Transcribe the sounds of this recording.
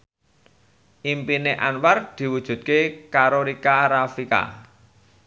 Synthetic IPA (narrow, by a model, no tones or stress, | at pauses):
ʔimpineʔanward̪̥i̤wud̥ʒ̥ṳt̪̚kekaɾoɾikaɾafika̰